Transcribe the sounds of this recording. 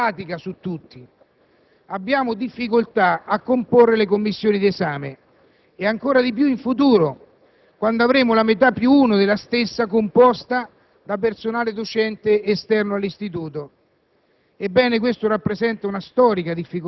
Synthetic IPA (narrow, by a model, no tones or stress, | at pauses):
aːt̪ikasut̪ːut̪ːi | abːjaːmʊd̪ifːikolt̪aakːomporːelek̬omːisːjoːnid̪iezaːme | eaŋkoːɾad̪ip̬juiɱfut̪̬uːɾo | kwand̪oavɾeːmʊlamet̪̬apːjuuːnod̪ɪlːast̪esːakompɔst̪a | d̪apersonaːlɪd̪ot͡ʃɛnt̪eːst̪ɛrnoalːist̪it̪uːt̪o | ebːɛːnek̬west̪oɾapːɾesɛnt̪aunast̪ɔːɾikad̪ifːik